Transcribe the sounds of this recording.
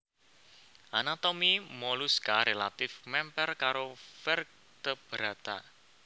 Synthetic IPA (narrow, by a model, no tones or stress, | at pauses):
ʔanat̪omimoluskaɾelat̪ɪfmɛmpɛrkaɾofɛr̚ | t̪əb̥ɾat̪a̰